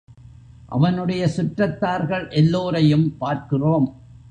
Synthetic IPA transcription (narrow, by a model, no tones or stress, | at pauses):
ʔɐ̰ʋɐnɯɽɐjɐsʊʈrɐt̪ːaːɾɣɐɭʔɛlːoːɾɐjɯmpaːɾkɪroːm